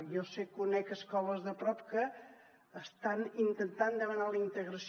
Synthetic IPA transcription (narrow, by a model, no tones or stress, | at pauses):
jɔsekːunɛkəskɔləzðəpɾɔp̚kəː | st̪anint̪ənt̪and̪əβənaləint̪əɣɾəs